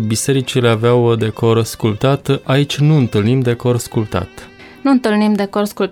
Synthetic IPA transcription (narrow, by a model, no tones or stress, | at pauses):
bise̞ɾit͡ʃile̞aveawd̪e̞koɾskult̪at̪ait͡ʃʲnuɨnt̪ɨlnimd̪e̞korskult̪a̰t̪ | nuɨnt̪ɨlnimd̪ekorskul